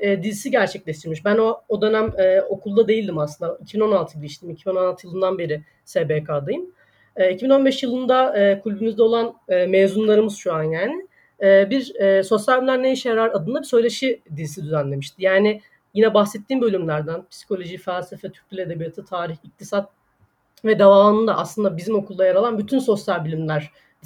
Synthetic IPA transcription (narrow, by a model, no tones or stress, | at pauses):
ɛːd̪izisiɟæɾt͡ʃʰɛclʲeʃt̪ʰiɾmiʃbænoːd̪ø̞næmɛːo̞kʰulˠd̪ad̪e̞jilʲd̪imaslɯnd̪aicʰibino̞nalt̪ʰɯɟilʲiʃt̪ʰiːmicʰibinnoalt̪ʰɯjlˠɯnd̪anbe̞ɾɪ | sebeːkʰaːd̪ɯjɯm | ɛːicʰibino̞nbɛʃjɯlˠɯnd̪aɯːkʰulʲbimizd̪ɛo̞lˠanːmeːzunlˠaɾɯmɯz̥ʃuanjaːnɪ | ɛːbiɾɛːso̞sjalʲymʲæɾneiʃjaɾaɾad̪ɯnˠabisø̞jlʲe̞ʃid̪izisid̪yzænlʲe̞miʃt̪ʰijaːnɪ | jinɛbaxsɛt̪ʰːiːmbø̞lʲymlʲæɾd̪ænpʰi̥si̥kʰo̞lʲo̞ʒifælʲsefɛt̪ʰy̥ɾcʲylʲe̞d̪e̞bijat̪ʰɯt̪ʰaːɾiçik̚t̪ʰisat̪̚ | vɛd̪avaːlˠɯnd̪a̰ʔa̰slˠɯnd̪abizimo̞kʰulˠd̪ajaɾalˠanbyt̪ʰynso̞sjalʲbølʲimlʲæɾ̥